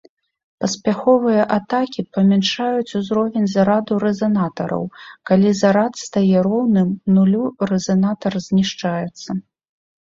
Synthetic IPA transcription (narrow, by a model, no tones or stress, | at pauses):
pɐsʲpʲaxɔvɨjɐʔat̪akʲipɐmʲanʂajut͡sʲuzɾɔvʲɛnʲzaɾad̪uɾɛzɐnat̪ɐɾɐ̰wkalʲizaɾat̪st̪ajɛɾɔwnɨmnulʲurɛzɐnat̪ɐrzʲnʲiʂt͡ʂajɛt̪sːɐ